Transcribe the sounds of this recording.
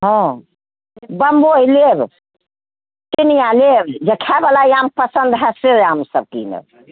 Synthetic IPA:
ɦɔ̃ | bəmbojleb | ʈinijãlebd͡ʒekʰɛbəlaiampəsənd̪ɦɛseɾamsəb̚kḭnə̰

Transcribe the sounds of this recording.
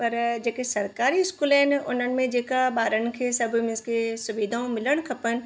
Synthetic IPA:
pɐɾd͡ʒeːkesɐɾkaːɾiɪskuːlɦɛːnʊ̰n̤ən̆mẽd͡ʒeːkabaːɾənkʰesɐbmɪ̃skesʊʋiːd̪ʱaõmɪləɽ̃kʰɐpən

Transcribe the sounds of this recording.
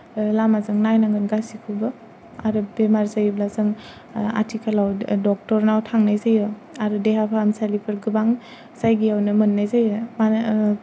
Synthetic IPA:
lamazɯŋnajnaŋɡɯnɡasikʰubɯ | a̰ɾɯbemaɾsajblazɯŋ | a̰tʰikʰalawdɔk̚tɔɾnawtʰaŋnajzajɯaɾɯdeɦapʰaːmsalipʰɯɾɡɯbaŋ | sajɡiawnɯmɯnːajzajma

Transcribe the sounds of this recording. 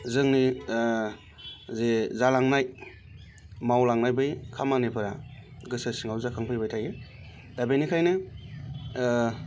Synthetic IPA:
zɯŋni | zezalaŋnaj | mawlaŋnajbɯjkʰamanepʰɯɾaɡɯsasiŋawzakʰaŋpʰɯjbajtʰaje | dabejnikʰajnɯ

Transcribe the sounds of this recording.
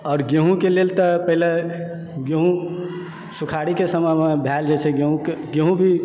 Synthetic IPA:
ɔːɾɡeɦũkelelt̪əpəɦile | ɡeɦũ | sukʰaɽikesəməmebʱɛld͡ʒɛt͡ʃʰɛɡeɦũkeɡeɦũbʱi

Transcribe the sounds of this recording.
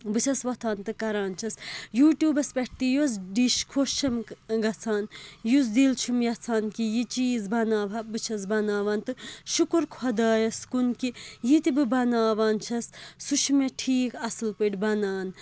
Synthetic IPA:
bɨt͡ʃʰɐsʋɐt̪ʰaːnt̪ɨkɐɾaːnt͡ʃʰɐsjuːʈjuːbɐspʲeʈ̚ʰt̪ijos̬ɖiʃkʰoʃɐmɡɐt͡sʰaːnjus̬d̪ilt͡ʃʰumjɐt͡sʰaːnkijit͡ʃiːzbɐnaːʋɐbɨt͡ʃʰɐs̬bɐnaːʋaːnt̪ɨʃukuɾkʰwɐd̪aːjɐskunkijit̪ibɨbɐnaːʋaːnt͡ʃʰɐsːuʃʰmeʈʰiːkɐsɨlpɨʈʲbɐnaːn

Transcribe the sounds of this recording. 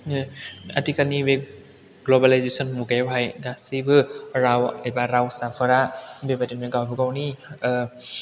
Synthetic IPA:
atikanibe | ɡlɔbalajzesɔnmuɡawɦajɡasibɯɾawajbaɾawsapʰɯɾabebatinmeɡawbɯɡawni

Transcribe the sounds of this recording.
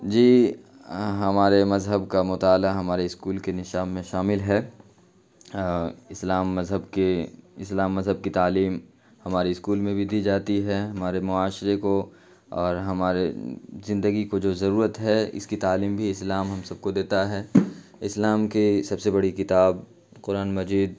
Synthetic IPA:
d͡ʒiː | ɦɐmaːɾemɐzɦəbkamʊt̪aːlaɦɐmaːɾeɪskuːlkenɪʃaːmːẽʃaːmɪlɦɛː | ɪslaːmːɐzɦəbkeɪslaːmːɐzɦəb̚kit̪aːliːm | hɐmaːɾiɪskuːlmẽbʱid̪iːd͡ʒaːt̪iɦɛɦɐmaːɾemʊaːʃɾeko | ɔːɾɦɐmaːɾezɪ̃nd̪əɡikod͡ʒoːzɐɾuːɾət̪ɦɛɪ̰skit̪aːliːmbʱiɪslaːmɦɐmsɐb̚kod̪eːt̪aɦɛːɪslaːmkisɐbsebɐɽikɪt̪aːb̚ | qʊɾaːnmɐd͡ʒiːd̪̚

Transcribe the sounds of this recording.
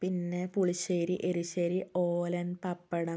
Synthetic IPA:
pinːepuɭiɕeːɾiʔeɾiɕeːɾioːlɐnpɐpːɐɽɐ

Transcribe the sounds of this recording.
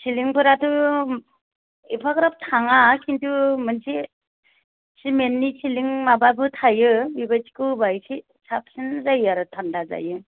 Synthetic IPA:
sʰiliŋpʰɯɾatʰɯ | ipʰakɾap̚tʰaŋakintʰumɯnsi | simenːisʰiliŋmababɯtʰajɯbibasi̥kɯbajsi | sap̚sɯnzajaɾɯtʰandaza̰jɯ

